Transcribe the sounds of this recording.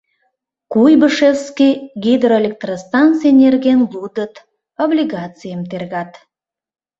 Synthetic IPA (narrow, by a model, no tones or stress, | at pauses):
kujbəʃefskʲiɡʲid̪roelʲek̚t̪rost̪ant̪sɨjenʲerɡʲenvud̪ət̪ | oblʲiɡat̪sɨjamt̪erɡat̪